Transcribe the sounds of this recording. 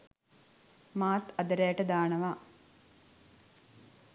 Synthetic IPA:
maːt̪ɐd̪əɾæːʈəd̪aːnəʋaː

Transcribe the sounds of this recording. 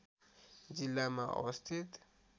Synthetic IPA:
d͡zilːamaʔʌ̰wʌst̪ʰit̪

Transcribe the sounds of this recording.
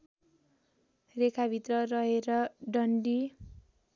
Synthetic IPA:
rekʰabʱit̪rʌrʌɦeɾʌɖʌɳɖi

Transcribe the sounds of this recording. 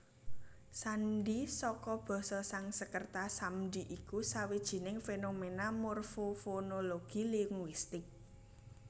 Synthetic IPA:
sanɖisɔkɔb̥ɔ̤sɔsaŋsəkərt̪asamdiʔikusawid̥ʒ̥i̤nɪŋfenomenamorfofonoloɡ̥iliŋwist̪ɪk̚

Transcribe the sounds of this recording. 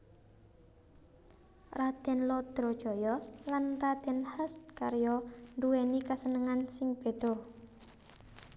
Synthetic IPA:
rat̪ɛnlɔd̪̥ɾɔ̥ʒ̥ɔ̤jɔlanrat̪ɛnhəst̪̚kaɾjɔɳduenikasənəŋansɪŋb̥e̤d̪̥ɔ

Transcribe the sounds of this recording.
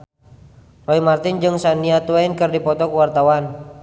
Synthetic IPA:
rɔimart̪ɪnd͡ʒɨŋsaniat̪uainkɨrdipɔt̪ɔkuwart̪awan

